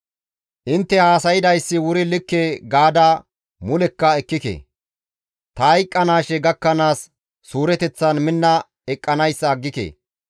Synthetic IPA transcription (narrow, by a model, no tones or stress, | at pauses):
ʔɪnt̪ːɛhaːsɐjɪd̪ɐjsːɪwʊɾɪlɪkːeːɡaːd̪a | mʊlɛkːɐɛkːɪkḛ | t̪ɐɐjkʼːɐnaːʃɛɡɐkːɐnaːsː | uːɾɛt̪ɛt͡sːɐnmɪnːɐ | ɛkʼːɐnɐjsːɐːɡːɪkḛː